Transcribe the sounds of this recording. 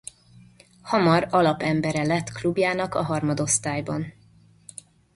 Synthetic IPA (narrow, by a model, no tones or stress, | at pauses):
hɒmɒɾɒlɒpɛmbɛɾɛlɛt̪ːklubjaːnɒkɒɦɒrmɒd̪o̞st̪aːjbɒn